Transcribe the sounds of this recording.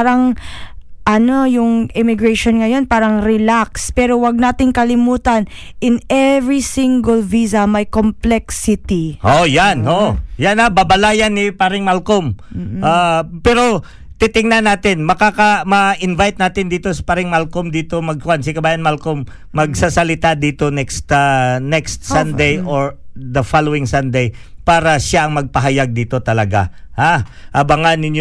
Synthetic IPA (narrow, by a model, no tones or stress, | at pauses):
aɾɐŋ | ʔɐno̞jʊŋʔɪmɪɡɹɛjʃonŋɐjo̞npaːɾɐŋɾɪlakspɛːɾowɐɡ̚naːt̪ɪŋkɐlɪmuːt̪ɐn | ʔɪnɛvɹisiŋɡɐlvisɐmɐjkomplɛksɪt̪iʔojanojanababɐlaːjanːɪpaɾɪŋmalkomm̩ːʔaːpɛːɾo̞ | t̪it̪ɪŋnanaːt̪ɪnmɐkaːkɐmɐʔɪnvajt̪̚naːt̪ɪnd̪iːt̪o̞sɐ̥paɾɪŋmalkomd̪iːt̪omɐɡ̚kʊwansɪkɐbaːjɐnmalkomː | ɐɡ̚sasɐlɪt̪ad̪iːt̪o̞nɛkst̪nɛkst̪̚sɐnd̪ejʔoɹd̪ɐfalowɪŋsɐnd̪ej | paːɾɐʃaʔɐŋmɐɡ̚pɐɦɐjaɡ̚d̪iːt̪o̞t̪ɐlɐɡa̰ha | ʔɐbɐŋanɪnj